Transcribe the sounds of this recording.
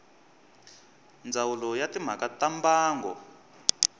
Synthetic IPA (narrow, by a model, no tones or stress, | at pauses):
nd͡zawulɔjatim̤akatambaːŋɡɔ̰